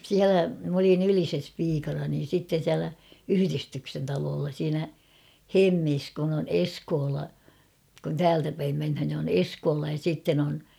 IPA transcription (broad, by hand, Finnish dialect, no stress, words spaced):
siælæ m olin ylises piːkɑnɑ niːn̞ sitːen̞ siælæ yhyristyksen tɑloːlːɑ siːnæ hemːis kun on eskoːlɑ kun tæːltæ pæim menhæn ni on eskoːlɑ jɑ siˑtːen on